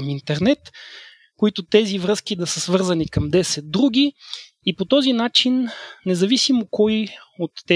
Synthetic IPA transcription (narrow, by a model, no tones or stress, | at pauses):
mint̪ɛɾnɛt̪ | koit̪ot̪ɛzivɾɤsk̟ʲid̪ɐsəsvɤɾzɐnikɐmd̪ɛsɛt̪̚d̪ɾuɡʲiː | pot̪ɔzinat͡ʃinːɛzɐvisimokɔjot̪ːɛ